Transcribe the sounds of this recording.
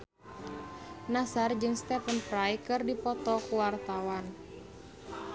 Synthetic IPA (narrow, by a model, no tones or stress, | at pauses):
nasard͡ʒɨŋst̪ɛpənpɾajkɨrdipɔt̪ɔkuwart̪awan